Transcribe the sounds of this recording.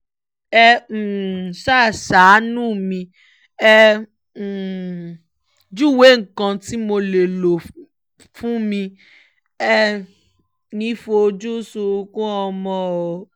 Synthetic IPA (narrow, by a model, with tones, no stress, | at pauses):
ɛ˧˨ | sa˦˨sa˨˦nũ˦˨mĩ˧ | ɛ˧˨ | d͡ʒu˦˨we˨˦ŋ̩˨kã˧ti˦mo˧le˨lo˨ | fũ˦mĩ˧ | ɛ˧ | nĩ˨˦fo˧o˧d͡ʒu˦su˧kũ˦ɔ˧mɔ̃˦˨o˨